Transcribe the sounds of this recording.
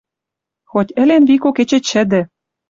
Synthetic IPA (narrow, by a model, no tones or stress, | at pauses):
xotʲɘ̆lenβikoket͡ɕĕt͡ɕɘ̆d̪ɘ̆